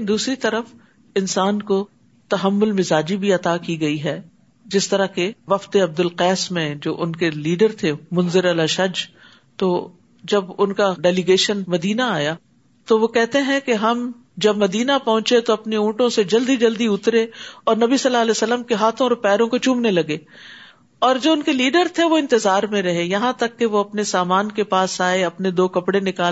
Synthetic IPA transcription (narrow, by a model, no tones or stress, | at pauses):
nd̪uːsɾit̪ɐɾəf | ɪnsaːnko | t̪ɐɦəmːʊlmɪzaːd͡ʒibʱiɐt̪aːkiɡɐiɦɛ | d͡ʒɪst̪ɐɾakeʋɐft̪eɐb̚d̪ʊlqɛːsmẽd͡ʒoːʔʊnkeliːɖəɾt̪ʰemʊ̃nzɪɾɐlaʃɐd͡ʒ | t̪oː | d͡ʒɐbʊnkaɖɛːlɪɡeːʃənmɐd̪iːnaaːjaː | t̪oʋokɛɦt̪eɦɛ̃keɦɐm | d͡ʒɐbmɐd̪iːnapɐɦʊ̃t͡ʃet̪oɐpneũːʈõsed͡ʒɐld̪id͡ʒɐld̪iʊt̪ɾeɔːɾnɐbisɐlːaɐlɛːsɐlːəmkeɦaːt̪ʰõɔːɾpɛːɾõkot͡ʃũːmnelɐɡeː | ɔːɾd͡ʒoːʊnkeliːɖəɾt̪ʰeʋoɪ̃nt̪ɪzaːɾmẽɾɐɦejɐɦãt̪ɐkːeʋoɐpnesaːmaːnkepaːsaːeɐpned̪oːkɐpɽenɪkaː